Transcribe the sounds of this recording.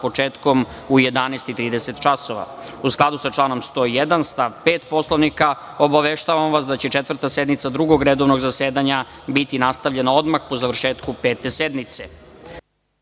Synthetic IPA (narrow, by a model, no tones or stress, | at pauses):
po̞t͡ʃeːt̪ko̞m | uje̞d̪aneːst̪it̪ɾiːd̪eset̪t͡ʃaso̞ʋa̰usklˠad̪usat͡ʂlˠaːno̞mst̪o̞ijed̪anst̪aʋpeːt̪po̞slˠoʋnika | o̞baʋeʃt̪aʋamʋas̬d̪at͡ɕe̞t͡ʃet̪vr̩t̪ased̪nit̪sad̪ɾuɡo̞ɡɾe̞d̪o̞ʋno̞ɡzaseːd̪aɲa | bit̪inast̪aʋʎe̞nao̞d̪maxpo̞zaʋr̩ʃeːt̪kupeːt̪e̞sed̪mit̪se